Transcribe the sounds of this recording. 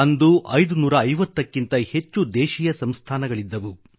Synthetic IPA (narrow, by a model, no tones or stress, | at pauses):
ɐnd̪uʔɐjd̪unuːɾɐːjʋɐt̪ːɐkːint̪ɐhe̞t͡ʃːud̪ɛːʃijɐsɐmst̪ʰaːnɐɡɐɭid̪ːɐʋu